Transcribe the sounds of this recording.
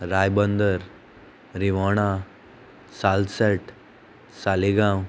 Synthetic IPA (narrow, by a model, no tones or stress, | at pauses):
ɾajbənd̪əɾ | ɾiʋaɽ̃a | salsəʈ | saliɡãw